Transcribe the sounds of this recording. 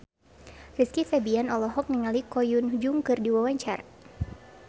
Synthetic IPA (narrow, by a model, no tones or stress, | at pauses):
riskifɛbianɔlɔɦɔk̚niŋalikɔjund͡ʒuŋkɨrdiwawaɲt͡ʃar